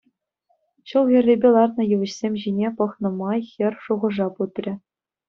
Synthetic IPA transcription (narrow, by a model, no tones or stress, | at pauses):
ɕɤ̆lˠɣʲĭrʲːebʲelˠɑrnɤ̆jɯʋɘ̆ɕsʲemʲʑinʲepɤ̆χnɤ̆mɑjxʲɘ̆rʲʂuʁɤ̆ʐɑput̪rʲɘ̆